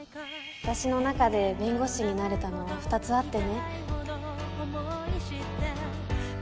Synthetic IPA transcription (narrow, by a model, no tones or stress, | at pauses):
ɯ̥t̪aɕino̞nakad̪e̞bẽ̞ŋɡo̞ɕiɲ̟inaɾe̞t̪ano̞βaɸɯ̟̥t̪at͡sɨat̪ːe̞ne̞